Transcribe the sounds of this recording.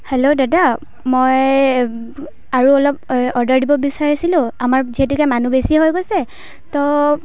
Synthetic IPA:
helodada | moj | aɹuɔlɔp̚ɔɹdaɹdibɔbisaɹasilʊ̃amaɹziɦetukɛmanubesiɦojɡojsɛ | tɔ

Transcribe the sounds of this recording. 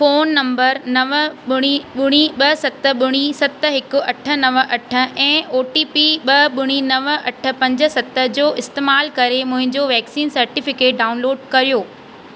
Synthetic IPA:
foːnːɐ̃mbəɾnɐʋəɓʊɽ̃iɓʊɽ̃iɓɐsɐt̪ə̆ɓʊɽ̃isɐt̪ə̆ɦɪkʊ̆ɐʈʰə̆nɐʋəʔɐʈʰə̆ɛ̃ːoːʈiːpiɓɐɓʊɽ̃inɐʋɐʈʰə̆pɐ̃ɲd͡ʑə̆sɐt̪ə̆d͡ʑoːʔɪst̪eːmaːlkɐɾemʊ̃ɦɪ̃ɲd͡ʑoːʋɛːksiːnsɐɾʈɪfɪkeːʈ̚ɖaːʊnloːɖkɐɾijoː

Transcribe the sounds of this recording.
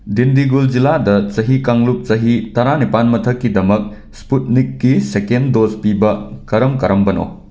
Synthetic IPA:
dindiɡuld͡ʒiladɐt͡ʃɐɦikaŋlup̚t͡ʃɐɦitɐɾanipanmɐtʰɐkːidɐmɐk̚ | sput̚nikːisekendospibɐkɐɾɐmkɐɾɐmbɐno̰

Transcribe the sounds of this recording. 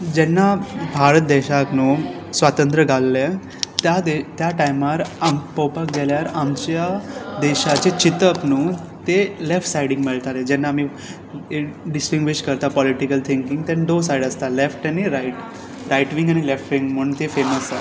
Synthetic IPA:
d͡ʑɛnːabʱaɾət̪̚d̪ɛɕaknuː | sʋat̪ənt̪ɾəɡʱalːe | t̪jad̪et̪jaʈajmaɾapəwpakɡɛljaɾamt͡ɕjad̪ɛɕat͡ɕet͡ɕit̪əpnuː | t̪elefʈsajɽiŋɡmiɭt̪aɾed͡ʑɛnːaːmi | ɖisʈiŋɡʋiɕkəɾt̪apɔliʈikəlt̪ʰiŋkiŋɡt̪ɛ̃nɖos̬ajɖəst̪alefʈañiɾaiʈ | ɾajʈʋiŋɡañilefʈʋiŋɡm̤əɳt̪efeməsa

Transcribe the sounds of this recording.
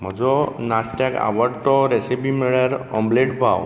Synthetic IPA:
m̤əd͡ʒɔnast̪aka̰ʋəʈt̪ɔɾesipimeɭəɾɔ̰mbleʈbʱaw

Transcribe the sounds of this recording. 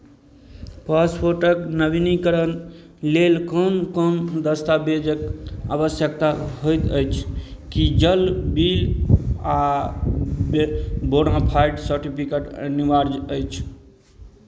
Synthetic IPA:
paspʰoɾʈəknəbinikəɾən | lelkəmkəmd̪əst̪abed͡ʒəka̰bəsjək̚t̪aɦojt̪əjt͡ʃʰ | kid͡ʒəlbila | boɽãpʰajɖsəɾʈipʰikeʈniʋaɾd͡ʒəjt͡ʃʰ

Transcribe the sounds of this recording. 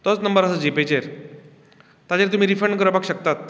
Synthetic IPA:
t̪ɔt͡snəmbəɾasəd͡ʑipet͡ɕeɾ | t̪at͡ɕeɾt̪um̤iːɾifəɾɳɖkəɾəpakɕək̚t̪at̪

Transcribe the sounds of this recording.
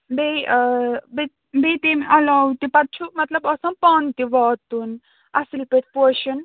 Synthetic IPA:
be | be | bet̪emɐlɔwt̪ipɐt̪̚t͡ʃʰumɐt̪lɐbɔsɐmpɔːnt̪iʋɔːt̪ːun | ɐsilpet̪̚ʰʲpoɾʃɐn

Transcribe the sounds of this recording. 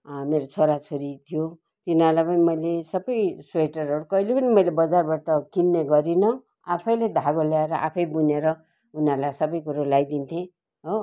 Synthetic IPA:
meɾot͡sʰoɾat͡sʰoɾit̪ʰijo | t̪inarlajpʌnimʌjlesʌbʌjsweʈʌrʌɽokʌilepʌnimʌjlebʌd͡zarbaʈʌkinːeɡʌɾinʌ | apʰʌjled̪ʱaɡoljaeɾʌʔa̰pʰʌjbuneɾʌ | unarlajsʌbʌjkuɾalajd̪int̪ʰẽ | ɦo

